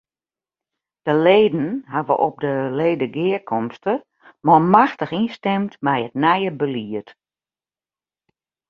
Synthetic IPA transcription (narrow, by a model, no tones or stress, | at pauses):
d̥əleːdn̩ɦaʋəʔɔp̚dəleːdəɡɪəkʰɔmstə | mɔlˠmaxtəxinstɛmtmɛjətnɛjəbəliət